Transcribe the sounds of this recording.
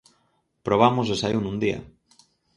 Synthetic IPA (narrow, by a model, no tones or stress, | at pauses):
pɾoβ̞amozðesaiwnũnd̪ia̰